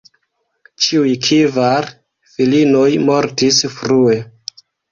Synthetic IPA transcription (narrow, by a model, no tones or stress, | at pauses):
t͡ʃiujkʰivaɾ | filino̞jmo̞ɾtisfɾue̞